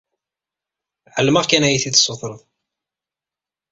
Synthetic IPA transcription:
ʕəlːməʁkænæjiθid̪sˤːoθˤɾˤəðˤ

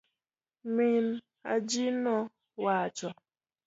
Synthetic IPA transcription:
min | a̰d͡ʒinɔ | wat͡ʃɔ

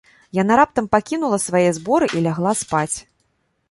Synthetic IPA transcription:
janaɾap̚t̪ɐmpakʲinulˠɐsvajɛzbɔɾɨʔilʲaɣlˠaspat͡sʲ

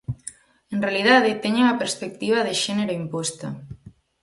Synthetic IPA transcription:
enrealiðaðɪt̪eɲeɐpeɾspek̚t̪iβɐðeʃɛneɾoimpost̪a

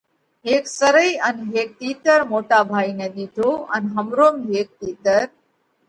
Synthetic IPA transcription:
ɦeːksəɾəiːənɦeːk̚t̪iːt̪əɾmoːʈaːbʱaːiːnẽːɗ̪iːt̪ʰoːənɦəmɾoːmiɦeːk̚t̪iːt̪əɾ

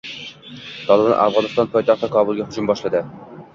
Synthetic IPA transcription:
t̪ʰɒlˠɨbɑnʔa̰fʁɑnɨst̪ɑnpʰɒjt̪ɑχt̪ækʰɒbʊlˠɡʲæhʊd͡ʒumbɒʃlˠad̪ɪ

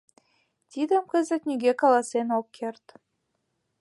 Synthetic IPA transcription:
t̪id̪ə̆mkə̆zə̆t̪nʲiɡʲekɑlˠɑsenok̚kʰert̪

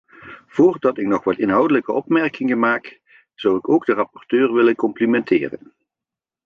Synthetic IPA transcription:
v̥ʊːrdɑtɪknɔχʋɑtɪnɦɑwdələkəɔpmɛɹkɪŋənmaːk | z̥ɑwɪkowɡdərɑpɔrtøːɹʋɪlənkɔmplimɛntʰɪ̰ːrə̰n

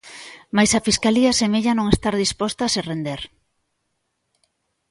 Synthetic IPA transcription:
majsafiskaliasemeʎanõŋest̪aɾðispost̪aserend̪eɾ

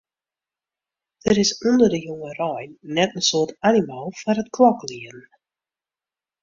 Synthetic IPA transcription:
d̥əɾɪsɔndərdəjoŋərɔjnnɛtənsoərtanimalˠfaɾətkʰlɔkliərn̩

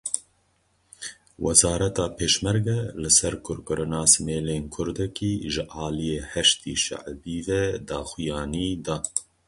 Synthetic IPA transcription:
wʔɛzɑːɾɛt̪ɑːpʰeːʃmɛɾɡɛlɨsɛɾkʰʊɾkɨɾʔɨnɑːsɨmeːleːnkʰʊɾd̪ɛkiːʒɨʔɑːlijeːhɛʃt̪iːʃa̰ʕbiːvɛd̪ɑːxujɑːniːd̪ɑː

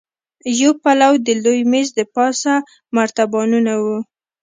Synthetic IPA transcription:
jopalawd̪əlojmezd̪əpɑsa | maɾt̪abɑnunawu

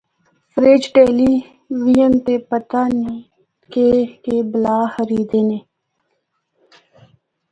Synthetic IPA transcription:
fɾeːd͡ʒʈeːliː | ʋijənt̪eːpət̪aːni | keːkeblaːxəɾiːd̪eːneː

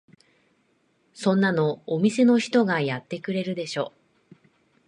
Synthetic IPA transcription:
sõ̞nːano̞ːmʲise̞no̞çi̥t̪o̞ɡajat̪ːe̞kɯ̟ɾe̞ɾɯ̟d̪e̞ɕo̞ː

